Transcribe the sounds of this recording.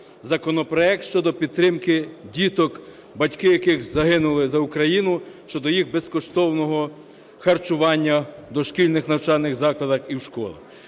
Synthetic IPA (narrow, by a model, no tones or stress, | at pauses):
zɐkɔnɔpɾɔɛk̚t̪ʃt͡ʃɔd̪ɔpʲid̪̚t̪ɾɪmkɪdʲit̪ɔk | bɐtʲkɪjɐkɪɣzɐɦɪnʊlˠɪzɐʊkɾɐjinʊʃt͡ʃɔd̪ɔjiɣbeskɔʃt̪ɔwnɔɦɔ | xɐrt͡ʃʊʋɑnʲːɐd̪ɔʃkʲilʲnɪxnɐwt͡ʃɑlʲnɪɣzɑklˠɐd̪ɐxiwʃkɔ̰lˠɐ̰